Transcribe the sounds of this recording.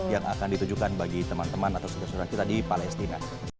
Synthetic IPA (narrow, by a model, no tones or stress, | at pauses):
jaŋʔa̰kandit̪ud͡ʒukanbaɡit̪əmant̪əmanat̪awsudasoɾaŋt͡ʃit̪adipalɛst̪ina